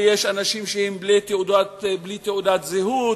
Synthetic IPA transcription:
jeʃanaʃimʃehemblit̪eud̪at̪blit̪eudat̪zeɦu

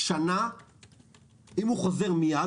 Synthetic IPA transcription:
ʃana | imuχo̞ze̞ʁmija

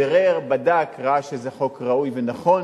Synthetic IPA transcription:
eʁeʁbadakʁaaʃezeχo̞kʁaujvenaχo̞n

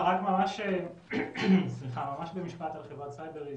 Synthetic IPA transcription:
ʁakmamaʃe | sliχamamaʃbemiʃpat̪alχevʁat̪sajbeʁi

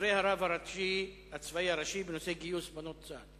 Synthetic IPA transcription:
ɾejhaɾavaɾaʃi | at͡svaiaɾaʃibenoseɡijusbanot̪t͡sad̪

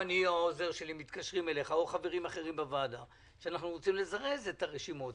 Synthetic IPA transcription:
aniaoze̞ʁʃe̞limit̪kaʃʁime̞le̞χaoχave̞ʁimaχe̞ʁimbavad̪a | ʃeanaχnuʁot͡simle̞zaʁe̞zet̪aʁeʃimo̞t

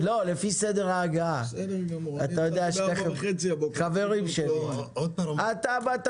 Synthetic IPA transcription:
lo̞lefised̪e̞ʁaːɡa | aajodejaʃdteχeχaveʁimʃeli | at̪abat̪

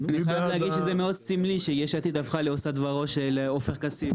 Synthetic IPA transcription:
aniχajavlahaɡidʃezemeo̞d̪simliʃejeʃat̪id̪afχaleosad̪vaʁo̞ʃelofeχkasi

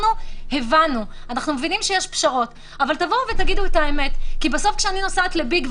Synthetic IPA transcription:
nuhevanuanaχnumevinimʃejeʃpʃaʁo̞t | avaltavo̞vet̪aɡid̪uetaeme̞t̪kibeso̞fkʃeaninosaet̪lebiɡv

